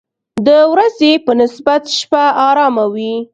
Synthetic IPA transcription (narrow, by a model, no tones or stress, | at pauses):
d̪əwɾazepənɪsbat̪ʃpaʔɑɾɑmawi